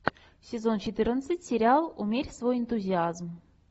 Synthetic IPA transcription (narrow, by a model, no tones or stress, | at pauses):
sʲɪzo̞nt͡ɕɪt̪ɨrnət̪sɨtʲsʲɪɾʲɪalˠumʲerʲsvojɪnt̪uzʲɪazm